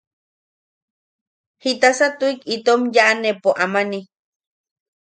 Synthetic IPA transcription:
hit̪asat̪uikit̪omjaʔanepoʔamani

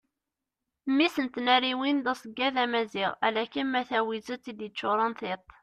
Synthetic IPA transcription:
mːisənt̪næɾiwind̪ɑsˤəɡːæðæmæziʁæ̰lækənmæθæwizət͡sːid̪ət͡ʃːʊɾˤɑnθɪt̪ˤ

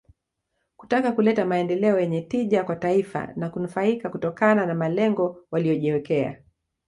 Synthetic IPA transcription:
ku̥takakulɛtamaɛndɛlɛɔjɛɲɛtiʄakwataifa̰nakunufaikakutɔkananamalɛŋɡɔwaliɔʄɛwɛkɛa̰

